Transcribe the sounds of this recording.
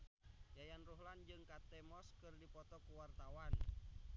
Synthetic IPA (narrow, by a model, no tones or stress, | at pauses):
jajanruɦland͡ʒɨŋkat̪ɛmɔskɨrdipɔt̪ɔkuwart̪awan